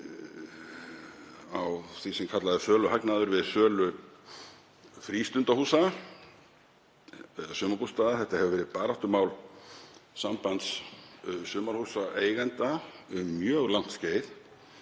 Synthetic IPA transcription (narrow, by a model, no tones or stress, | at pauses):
awθvisɛmkʰat̪laðɪfœːlʏɦaknaðʏɾvɪðsœːlʏ | fɾiːst̪ʏnt̪ahuːsa | ɛðasʏːmaɾpust̪aːðaθɛht̪ahɛvʏvɛːɾɪpaːɾaht̪ʏmaːwl | sampant̪s | sʏːmaɾ̥huːsaʔeːjɣɛnt̪aʏmːjœːɣlawn̥t̪sceːjθ